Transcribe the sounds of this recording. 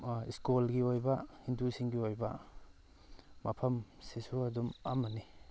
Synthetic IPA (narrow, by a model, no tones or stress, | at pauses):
iskolɡiojbɐhindusiŋɡiojbɐ̰ | mɐpʰɐmsisuɐdumamːɐni